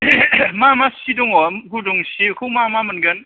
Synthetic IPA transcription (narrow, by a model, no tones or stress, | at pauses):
mamasiduŋɔmɡudɔŋsikʰumamamɐnɡɐn